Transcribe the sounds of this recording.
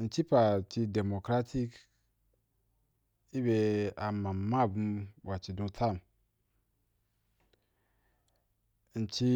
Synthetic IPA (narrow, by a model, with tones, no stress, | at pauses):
n̩˨t͡ʃi˦pa˨t͡ʃi˧de˨mo˨kɾa˦tʰi˦k | i˦be˧a˨ma˨ma˦˨bu˦mwa˨t͡ʃi˨dũ˦tʰa˦˨m | n̩˨t͡ʃi˦